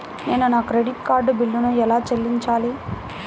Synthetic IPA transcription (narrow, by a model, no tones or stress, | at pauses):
neːnunaːkɾeɖiʈkaːɾɖbilːunuɛlaːt͡ʃelːiɲt͡ʃaːliː